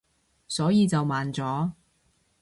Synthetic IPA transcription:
sɔː˨˥jiː˨˧t͡sɐ˨wmaː˨nt͡sɔː˨˥

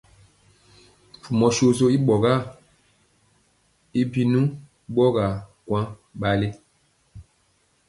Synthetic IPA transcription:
fu˨mɔ˨ʃo˦s̬o˦i˦ɓɔ˨ɡa˦˨ | i˦bi˦nũ˦ | ɓɔ˦ɡa˨kwã˦ | ɓa˨le˦

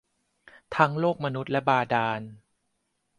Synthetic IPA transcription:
t̪ʰa˦˥ŋloː˥˩k̚ma˧nu˦˥t̪̚lɛ˦˥ʔbaː˧daː˧n

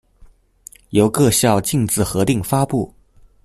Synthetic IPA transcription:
jo˧˥ʊkɤ˥˧ɕjɑ˥˧ʊt͡ɕi˥˧ŋt͡sɹ̩˥˩xɤ˧˥t̪i˥˩ŋfa˥pu˥˩

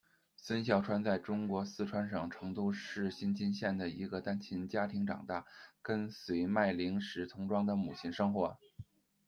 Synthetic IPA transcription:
swə˥nɕ̬jɑ˥˩ʊʈ͡ʂʰwa˥nt͡sa˥˩ɪʈ͡ʂʊ˥ŋkwɔ˧˥sɹ̩˥˧ʈ͡ʂʰwa˧˥nʂɑ˨˩ŋʈ͡ʂʰɤ˧˥ŋt̪u˥˧ʂɻ̩˥˩ɕi˥nt͡ɕi˥nɕjɛ˥˩nd̪ə˩i˧˥ɡə˧t̪a˥nt͡ɕʰi˧˥nt͡ɕja˥t̪ʰi˧˥ŋʈ͡ʂɑ̰˨˩ŋt̪a˥˩kə˥nswe˧˥ɪma˥˩ɪli˧˥ŋʂɻ̩˧˥t͡s̪ʰʊ˧˥ŋʈ͡ʂwɑ˥ŋd̪ə˨mu˨˩t͡ɕʰi˧˥nʂɤ˥ŋxwɔ˧˥

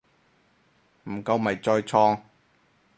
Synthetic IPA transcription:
m̩˨˩kɐ˧wmɐ˨jt͡ʃɔː˧jt͡sʰɔː˥ŋ

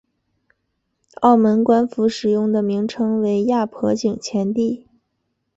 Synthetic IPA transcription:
ɑ˥˩ʊmə˧˥nkwa˥nfu˧˥ʂɻ̩˨˩jʊ˥˩ŋd̪ə˩mi˧˥ŋʈ͡ʂʰɤ˥ŋwe˧˥ɪja˥˩pʰɤ˧˥t͡ɕi˨˩ŋt͡ɕʰjɛ˧˥nt̪i˥˩

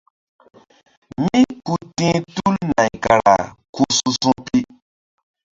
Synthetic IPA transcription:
mi˦ku˦tĩ˦tu˦lna˨ka˨ɾa̰˨ | ku˦su˦sũ˦pi˦

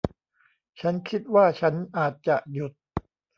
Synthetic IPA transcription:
t͡ɕʰa˦˥nkʰi˦˥t̪̚waː˥˩t͡ɕʰa˦˥nʔaː˨˩t̪̚t͡ɕa˨˩ʔju˨˩t̪̚

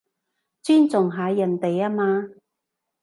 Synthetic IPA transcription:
t͡syː˥nt͡sʊ˨ŋɦaː˨˧jɐ˨˩nt̪e˨jaː˥maː˧

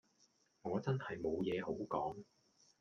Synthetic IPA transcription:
ŋɔː˨˧t͡sɐ˥nhɐ˨jmo˨˧wjɛː˨˧ho˨˥wkɔː˨˥ŋ

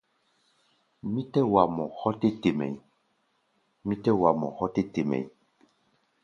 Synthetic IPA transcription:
mĩ˦tɛ˦wa˨mɔ˨xɔ˦te˦te˨mɛ̰˨ | mĩ˦tɛ˦wa˨mɔ̰̃˨hɔ˦te˦te˨mɛ̰˨j

